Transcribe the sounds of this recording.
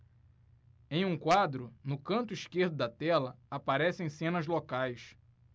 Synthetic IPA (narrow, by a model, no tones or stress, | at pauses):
ẽj̃ũkwad̪ɾʊnʊkɐ̃nt̪ʊiʃkehd̪ʊd̪ɐt̪ɛlɐapaɾɛsẽj̃sẽnɐzlokajs